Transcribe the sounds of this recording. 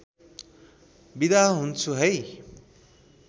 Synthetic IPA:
bid̪aɦunt͡sʰuɦʌj

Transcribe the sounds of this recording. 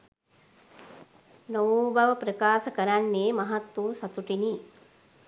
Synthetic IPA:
noʋbaʋəpɾəkaːsəkəɾanːeːmɐɦat̪wuːsat̪uʈini

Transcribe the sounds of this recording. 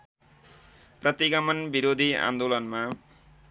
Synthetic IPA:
prʌt̪iɡʌmʌnbiɾod̪ʱiã̰nd̪olʌnma

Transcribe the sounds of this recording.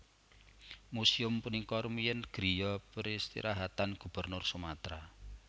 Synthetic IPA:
musiʊmpunikɔrmijənɡ̥ɾijɔpɾist̪ḭɾʔaɦat̪anɡ̥ṳb̥ə̤rnʊrsumat̪ɾa

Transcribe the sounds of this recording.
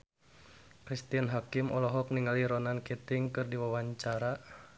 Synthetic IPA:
kɾist̪ianɦakimɔlɔɦɔk̚niŋaliɾɔnankit̪iŋkɨrdiwawaɲt͡ʃaɾa

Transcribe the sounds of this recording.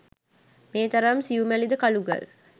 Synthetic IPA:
meːt̪ɐɾamsiumælid̪əkɐluɡɐ̰l

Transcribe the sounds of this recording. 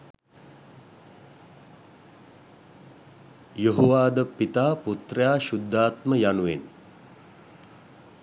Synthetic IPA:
joɦoʋaːd̪əpit̪aːput̪rəjaːʃud̪ʱːaːt̪məjanuʋen

